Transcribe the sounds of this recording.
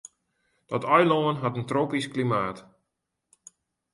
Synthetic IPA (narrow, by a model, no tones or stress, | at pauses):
d̥ɔtɔjloənɦatəntroːpisklimaːt